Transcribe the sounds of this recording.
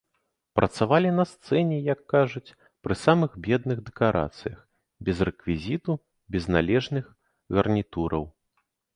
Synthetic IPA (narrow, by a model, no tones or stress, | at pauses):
pɾʔɐt̪savalʲinɐst̪sɛnʲɛjɐkːaʐut͡sʲ | pɾɨsamɨxbʲɛd̪nɨɣd̪ɛkaɾʔa̰t̪sɨjɐx | bʲɛzrɛkvʲizʲit̪u | bʲɛznalʲɛʐnɨx | ɣɐrnʲit̪uɾɐ̰w